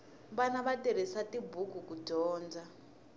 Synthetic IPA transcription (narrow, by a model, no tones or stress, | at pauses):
βanaβateɾesatibʱukukuɟɔːnd͡za